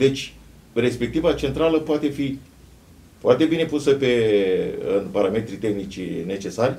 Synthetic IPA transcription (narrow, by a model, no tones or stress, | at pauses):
d̪e̞t͡ʃʲ | re̞spe̞k̚t̪ivat͡ʃe̞nt̪ɾaləpoat̪e̞fi | foart̪e̞bine̞pusəpe̞ | ɨ̰npaɾame̞t̪ɾit̪e̞xnit͡ʃne̞t͡ʃe̞sarʲ